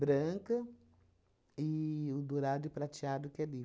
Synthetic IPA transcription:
bɾɐ̃ŋkɐ | ɪʊd̪oɾad̪ʊpɾat͡ʃiad̪ʊkɛli

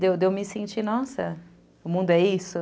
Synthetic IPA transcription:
d̪ewd̪ewmɪsẽnt͡ʃinɔsɐ̰ | ʊmũd̪ʊɛisʊ

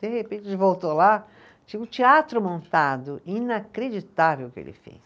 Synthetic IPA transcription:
d̪̥ehepẽt͡ʃd͡ʒɪvowt̪ola | t͡ʃĩʊt͡ʃiat̪ɾʊmõnt̪ad̪ʊĩnakɾed͡ʒit̪avewkɪḛlɪ̰fḛs

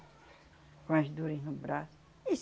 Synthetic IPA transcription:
kõɐʒd̪uɾɐʒnubɾasu | is

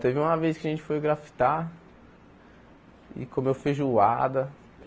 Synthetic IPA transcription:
t̪evɪũmɐvejskɪɐʒẽnt͡ʃɪ̥fojɡɾafi̥t̪a | ɪ̰kõmewfeʒuad̪ɐ

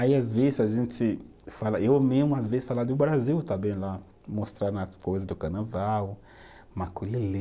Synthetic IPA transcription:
aiazvezɪzaʒẽntɪ | falaʔewmezmʊazvezɪsfalad̪ʊbɾaziwt̪ãmbẽj̃la | most̪ɾanakojzɐd̪ʊkaɾnavaw | makulile

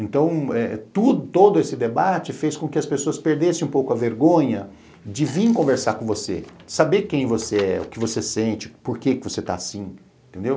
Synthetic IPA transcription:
ẽnt̪ɐ̃w̃ɛt̪ud̪ʊt̪od̪ʊesɪd̪ebat͡ʃɪfeskõkɪɐspesoɐspeɾd̪esẽũpowkʊɐveɾɡõɲɐ | d͡ʒɪvĩkõveɾsakõvosesabekẽj̃voseɛʊ̰kɪvosesẽnt͡ʃɪpoɾkekɪvoset̪a̰ːsĩeẽt̪ẽnd̪ew

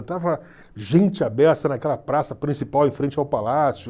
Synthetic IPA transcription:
t̪avɐ | ʒẽnt͡ʃɪabɛɾt̪ɐnɐkɛlɐpɾasɐpɾĩsipawẽj̃fɾẽnt͡ʃɪawpalasjʊ

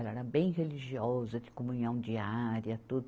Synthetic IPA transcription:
ɛlɐɛɾɐbẽj̃ɦeliʒiɔzɐd͡ʒɪkomũɲɐ̃w̃d͡ʒiaɾjɐt̪ud̪ʊ

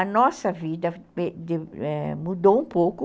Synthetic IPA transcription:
ɐnɔsɐvid̪ɐed̪eɛmud̪owũpowkʊ

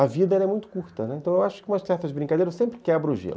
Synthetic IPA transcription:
ɐvid̪ɐɛlɐɛmũj̃t̪ʊ̥kuɾt̪ɐnɛẽnt̪ɐ̃w̃ewaʃʊ̥kɪũmɐst̪ɛɾt̪ɐzbɾĩŋkad̪ejɾɐsẽmpɾɪkɛbɾɐʊʒḛl

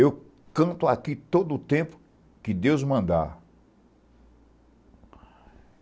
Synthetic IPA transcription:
ew | kɐ̃t̪ʊakit̪od̪ʊt̪ẽpʊ̥ | kɪd̪ewzmɐ̃nd̪a̰

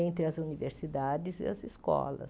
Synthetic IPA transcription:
ẽnt̪ɾɪɐzuniveɾsid̪ad͡ʒɪzɪ̰ɐzɪskɔ̰lɐ̰s

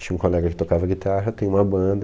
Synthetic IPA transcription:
t͡ʃĩɲ̃ũkolɛɡɐkɪ̥t̪okavɐɡit̪aɦɐt̪ẽj̃ũmɐbɐ̃d̪ɐ

